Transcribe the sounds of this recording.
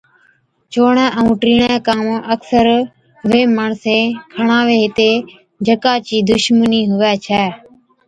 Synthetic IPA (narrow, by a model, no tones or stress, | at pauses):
t͡ʃoːɳɛ̃ːʔəũːʈɾiːɳɛ̃ːkaːməksəɾ | ʋeːmaːɳsẽːkʰəɳãːʋeːɦɪt̪eː | d͡ʒʱəkaːt͡ʃiːd̪ʊʃməniːɦʊʋɛːt͡ʃʰɛː